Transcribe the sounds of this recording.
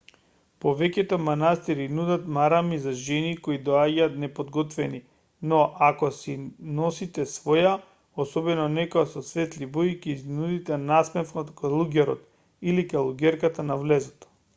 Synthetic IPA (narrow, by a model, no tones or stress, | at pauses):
povɛcɛt̪ɔmanast̪iɾinud̪at̪maɾamizaʒɛnikoid̪ɔaɟaːt̪nɛpod̪ɡɔt̪vɛni | nɔʔakɔsinɔsit̪ɛsvɔja | osɔbɛnɔnɛkoasɔsvɛt̪liboicɛiznud̪it̪ɛnasmɛfnɔt̪kalˠuɡɛɾɔt̪ | ilikalˠuɡɛɾkat̪anavlɛzɔt̪